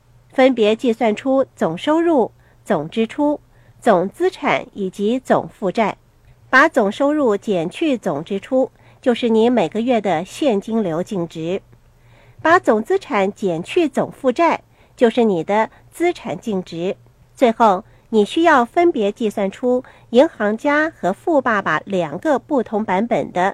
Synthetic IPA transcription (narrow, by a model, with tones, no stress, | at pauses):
fə˥npjɛ˧˥t͡ɕi˥˧swa˥˩nʈ͡ʂʰu˥t͡sʊ˨˩ŋʂo˥ʊɻu˥˩ | t͡sʊ˨˩ŋʈ͡ʂɻ̩˥ʈ͡ʂʰu˥ | t͡sʊ˨˩ŋt͡sɹ̩˥ʈ͡ʂʰa̰˨˩˦ni˨˩t͡ɕi˧˥t͡sʊ̰˨˩ŋfu˥˧ʈ͡ʂa˥˩ɪ | pa˧˥t͡sʊ˨˩ŋʂo˥ʊɻu˥˩t͡ɕjɛ˨˩nt͡ɕʰy˥˩t͡sʊ˨˩ŋʈ͡ʂɻ̩˥ʈ͡ʂʰu˥ | t͡ɕjo˥˧ʊʂɻ̩˥˩ni˧˥me˨˩ɪɡə˦ɥɛ˥˩d̪ə˩ɕjɛ˥˩nt͡ɕi˥ŋljo˧˥ʊt͡ɕi˥˩ŋʈ͡ʂɻ̩˧˥ | pa˧˥t͡sʊ˨˩ŋt͡sɹ̩˥ʈ͡ʂʰa˧˥nt͡ɕjɛ˨˩nt͡ɕʰy˥˩t͡sʊ̰˨˩ŋfu˥˧ʈ͡ʂa˥˩ɪ | t͡ɕjo˥˧ʊʂɻ̩˥˩ni˨˩d̪ə˦ | t͡sɹ̩˥ʈ͡ʂʰa˨˩nt͡ɕi˥˩ŋʈ͡ʂɻ̩˧˥ | t͡swe˥˧ɪxo˥˩ʊ | ni˨˩ɕy˥jɑ˥˩ʊfə˥npjɛ˧˥t͡ɕi˥˧swa˥˩nʈ͡ʂʰu˥ | i˧˥ŋxɑ˧˥ŋt͡ɕja˥xɤ˧˥fu˥˧pa˥˩pa̰˩ljɑ˨˩ŋɡə˦pu˥˩t̪ʰʊ˧˥ŋpa˧˥npə̰˨˩nd̪ə˦